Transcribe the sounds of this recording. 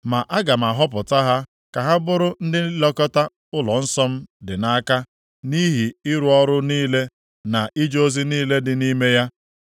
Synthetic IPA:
ma˨ʔa˦ɡa˨m̩˨a˨ɦɔ˦pʊ˨ta˦ɦa˦ | ka˨ɦa˦bʊ˦ɾʊ˦n̩˦dɪ˦lɔ˦kɔ˦ta˦ | ʊ˦lɔ˨n̩˦sɔ˦m̩˦dɪ˨na˦a˦ka˦ | ni˦ɦi˨ɪ˦ɾu˨ɔ˦ɾʊ˦niː˦le˦ | na˨ʔi˦d͡ʒo˦zi˦niː˦le˦dɪ˨ni˦me˦ja˦

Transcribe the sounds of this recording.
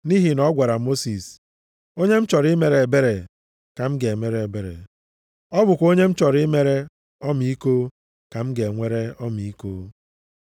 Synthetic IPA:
ni˦ɦi˨nɔ˦ɡʷa˨ɾa˨mo˦si˨s | o˦ɲe˦m̩˦t͡ʃɔ˨ɾɪ˦me˨ɾe˨be˦ɾe˨ | ka˨m̩˦ɡe˨e˨me˦ɾe˨e˨be˨ɾḛ˨ | ɔ˦bʊ˨kʷo˦ɲe˦m̩˦t͡ʃɔ˨ɾɪ˦me˦ɾe˦ | ɔ˦m˨i˦ko˦ | ka˨m̩˦ɡe˨ŋʷe˦ɾe˦ɔ˦m˨i˦koː˦

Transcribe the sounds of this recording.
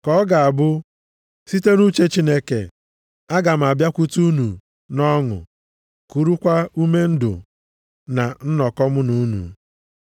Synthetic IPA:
kɔ˨˦ɡa˨a˨bʊ˦ | si˦te˦nu˦t͡ʃe˦t͡ʃi˦ne˦kḛ˨ | a˦ɡa˨m̩˨a˨bja˦kʷu˦tu˦nu˨ | nɔ˦ŋʊ̰˨ | ku˨ɾu˦kʷa˦u˦me˦n̩˦dʊ̰˨ | na˨n̩˦nɔ˨kɔ˦mʊ˦nu˦nṵ˨

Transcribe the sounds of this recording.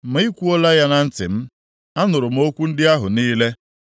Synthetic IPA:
m̩˨˦i˦kʷu˦o˦la˦ja˦na˦n̩˦tɪ̰˨m̩˦ | a˦nʊ˨ɾʊ˨m̩˦o˦kʷu˦n̩˦dɪ˦a˦ɦʊ˨niː˦le˦

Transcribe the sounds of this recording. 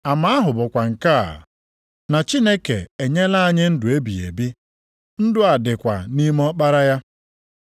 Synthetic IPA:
a˨ma˦ɦʊ˨bʊ˨kʷa˨ŋ̩˨ka˦a̰˨ | na˨t͡ʃi˦ne˦ke˨e˨ɲe˦la˦a˦˨ɲɪ˦n̩˦dʊ˨e˦bḭ˨ḛ˨bi˦ | n̩˦dʊ˦a˨dɪ˨kʷa˨ni˦m˦ɔ˦k͡pa˦ɾa˦ja˦

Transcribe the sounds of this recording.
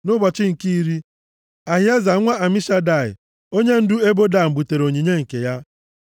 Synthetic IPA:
nʊ˦ba˨t͡ʃɪ˦ŋ̩˨ki˦ɾi˦ | a˨ɦja˦za˨˦ŋʷa˦a˨mi˦ʃa˦da˨ɪ̰˨ | o˦ɲe˦n̩˦dʊ˦e˦bo˦da˦˨m̩˨bu˨te˨ɾo˨ɲi˨ɲe˦ŋ̩˨ke˨ja˦

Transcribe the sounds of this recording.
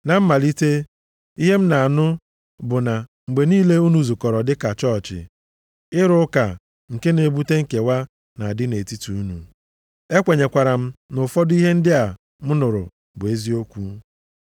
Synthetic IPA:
na˨m̩˦ma˨li˦te˦ | i˦ɦe˦m̩˦na˨a˨nʊ˦ | bʊ˨na˨ | ŋ͡m̩˨ɡ͡be˨niː˦le˦u˦nu˨zu˨kɔ˨ɾɔ˨dɪ˦ka˨t͡ʃɔ˦˨t͡ʃɪ̰˨ | ɪ˦ɾʊ˦ka˨ | ŋ̩˨ke˦ne˨˦bu˦te˦ŋ̩˨ke˨wa˦ | na˨a˨dɪ˦ne˨ti˦tu˨u˦nṵ˨ | e˦kʷe˨ɲe˨kʷa˨ɾa˨m̩˦nʊ˨fɔ˦dʊ˦i˦ɦe˦n̩˦dɪ˦a˨ | m̩˦nʊ˨ɾʊ̰˨ | bʊ˨e˦zi˦o˦kʷu˦

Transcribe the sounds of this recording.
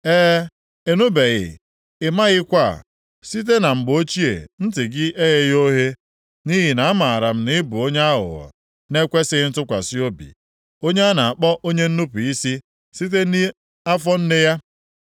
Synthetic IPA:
eː˦ | e˨nu˦be˨ɣɪ̰˨ | ɪ˨ma˦ɣɪ˦kʷa̰˦˨ | si˦t̬e˦na˨ŋ͡m̩˨ɡ͡bo˦t͡ʃi˦ḛ˨n̩˦tɪ˨ɡɪ˦ʔe˦ɣe˦jo˦ɦe˦ | ni˦ɦi˨na˨a˦ma˨a˨ɾa˨m̩˦nɪ˦bʊ˨o˦ɲe˦a˦ɦʊ̰˨ɣɔ̰˨ | ne˦kʷe˦sɪ˦n̩˦tʊ˦kʷa̰˨sɪ˦o˦bḭ˨ | o˦ɲe˦a˦na˨a˨k͡pɔ˦ʔo˦ɲe˦n̩˦nu˦pu˨i˦si˦ | si˦t̬e˦ni˦ | a˦fɔ˦n̩˦ne˦ja˦

